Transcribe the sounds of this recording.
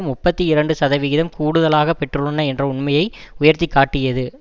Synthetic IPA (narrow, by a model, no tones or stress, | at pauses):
mːʊpːɐt̪ːiɪɾɐɳɖɯsɐðɐʋɪɣɪðɐmkuːɽɯðɐlaːɣɐpɛʈrɯɭɐnːɐɛndrɐʊɳmɐjɐɪ | ʊjɐɾt̪ɪkːaːʈːɪjɐðɯ